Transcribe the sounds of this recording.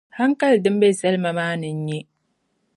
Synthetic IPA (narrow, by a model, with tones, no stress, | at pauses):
ha˦ŋka˦ldɨ˦m˦bɛ˦sɛ˦lma˨maː˦nɨ˨ɲ̩˦ɲɛ˦